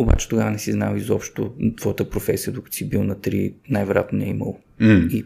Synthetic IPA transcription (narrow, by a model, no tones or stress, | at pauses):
oba̰t͡ʃɛ̥t̪oɡavənɛsiznavizɔpʃt̪ot̪vɔjət̪əpɾofɛsijəd̪okə̥t̪u̥sibilˠnɐt̪ɾinajvɛɾoja̰t̪nonɛimə̰lˠ | i